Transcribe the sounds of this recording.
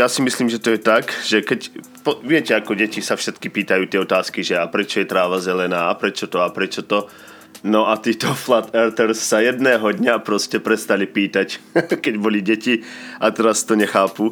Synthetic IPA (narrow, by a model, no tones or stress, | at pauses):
jaːsimisliːmʒɛt̪ɔjɛt̪akʒ̥ɛkɛc | pɔʋɪɛcɛakɔɟɛcisafʃɛt̪kipiːt̪ajuːt̪ɪɛɔt̪aːskiʒɛapɾɛt͡ʃɔjɛt̪ɾaːʋazɛlɛnaːapɾɛt͡ʃɔt̪ɔapɾɛt͡ʃɔt̪ɔ | nɔʔat̪iːt̪ɔflat̪ɛɾt̪ɛɾsːajɛd̪nɛːɦɔd̪ɲapɾɔscɛpɾɛst̪alipiːt̪ackɛɟbɔliɟɛci | at̪ɛɾast̪ɔɲɛxaːpu